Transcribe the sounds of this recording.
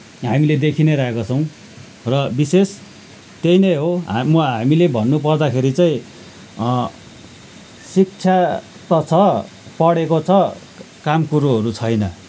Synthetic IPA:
ɦamiled̪ekʰineɾʌɦekot͡sʰʌw̃ | rʌbises | t̪ejnejɦomʌɦamilebʱʌnːupʌrd̪akʰeɾit͡saĩ | sik̚t͡sʰja | t̪ʌt͡sʰʌ | pʌɽekot͡sʰʌ | kamkuɾuɦʌɾut͡sʰʌjnʌ

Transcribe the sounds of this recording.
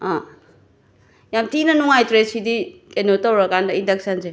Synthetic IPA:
ã | jamtinɐnuŋajtɾesidikenotawɾakandɐindɐksɐnze

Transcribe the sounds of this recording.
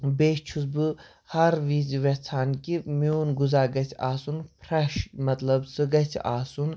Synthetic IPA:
beːʃt͡ʃʰusbɨ | hɐɾʋiːzʋet͡sʰaːnkimiuːnɡuzaːɡɐt̪ʰʲaːsunpʰɾɐʃmɐt̪lɐbsɨɡɐtʰa̰ːsun

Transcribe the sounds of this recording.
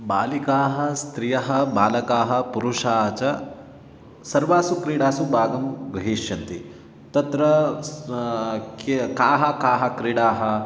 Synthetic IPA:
baːlikaːɦɐ̆st̪ɾijɐɦɐ̆baːlɐkaːɦɐ̆puɾuʂaːt͡ʃɐ | sɐɾʋaːsukɾiːɽaːsubaːɡɐmɡɾɐɦiːʃjɐnt̪i | t̪ɐt̪ɾɐ | kkaːɦɐkaːɦɐ̆kɾiɽaːɦɐ̆

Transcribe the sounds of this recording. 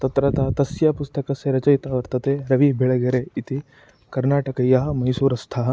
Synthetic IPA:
t̪ɐt̪ɾɐt̪ɐːt̪ɐsjɐpust̪ɐkɐseɾɐt͡ʃɐjt̪aːʋɐɾt̪ɐt̪eːɾɐʋibʱiɭɐɡɐɾeit̪i | kɐɾnaːʈɐkɐjɐɦɐ̆mɐjsuːɾɐst̪ʰaɦɐ̆

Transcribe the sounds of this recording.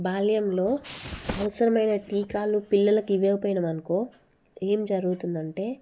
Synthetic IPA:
baːlɐjɐmlo̞ːɐʋɐsɐɾɐmɐjnɐʈiːkaːlupilːɐlɐkiʋeːʋpoːjinɐmɐnɐku | eːmd͡ʒɐɾuɡut̪und̪ɐɳʈe̞ː

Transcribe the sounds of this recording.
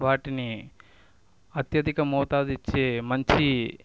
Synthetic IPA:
bʱaːʈini | ɐt̪jɐd̪ikɐmoːt̪ad̪it͡ʃːʰemɐɲt͡ʃʰi

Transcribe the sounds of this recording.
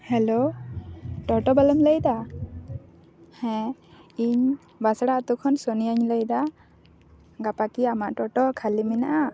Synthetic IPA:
hɛlo | ʈɔʈɔbaləmləjd̪a | hɛ̃iɲ | basɽat̪ukʰɔnsɔnijaɲləjd̪a | ɡapakiamaʔʈɔʈɔkʰaliminaʔa

